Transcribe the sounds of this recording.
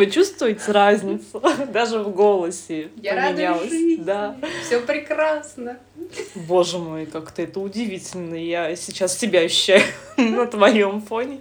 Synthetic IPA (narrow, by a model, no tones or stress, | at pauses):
vɨt͡ɕust̪vʊjɪtʲɪɾazʲnʲɪt̪səd̪aʐɨvɡo̞lˠəsʲɪjmʲɪnʲalˠəsʲd̪afsʲopɾʲɪkɾasnə | bo̞ʐɨmojkakt̪əɛt̪əʊdʲɪvʲitʲɪlʲnəjasʲɪt͡ɕassʲɪbʲaɕʊːæjʊnət̪vɐjo̞mfo̞nʲɪ